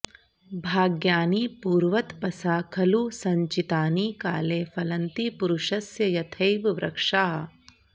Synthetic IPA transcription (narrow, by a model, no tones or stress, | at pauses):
bʱaːɡjaːniːpuːɾʋɐt̪pɐsaːkʰɐlusɐɲt͡ʃit̪aːniːkaːleːfɐlɐnt̪ipuɾuʃɐsjɐjɐt̪ʰɐjʋʋɾʔɐ̰kʂaːɐ